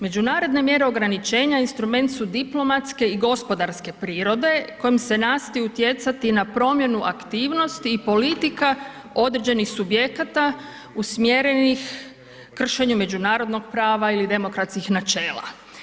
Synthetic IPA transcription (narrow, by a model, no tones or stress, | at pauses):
me̞d͡ʑunaːɾo̞d̪ne̞mje̞ɾe̞o̞ɡɾanit͡ʃe̞ːɲainst̪ɾume̞nt̪sud̪iplˠo̞mat̪ske̞iɡo̞spo̞d̪aɾske̞pɾiːɾo̞d̪e̞ko̞jimse̞nast̪ajut̪je̞t̪sat̪inapɾo̞mje̞nuʔakt̪iːʋno̞st̪iːpo̞lit̪ika | o̞d̪ɾed͡ʑe̞nixsubje̞kat̪a | usmjeɾenix | kr̩ʃe̞ɲume̞d͡ʑunaːɾo̞d̪no̞ɡ̚pɾaːʋailid̪e̞mo̞kɾat̪skixnat͡ʃe̞ːlˠa̰